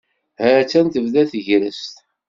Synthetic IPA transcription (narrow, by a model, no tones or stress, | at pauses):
hæɾt͡sːænt̪əvðæθəʝɾəst̪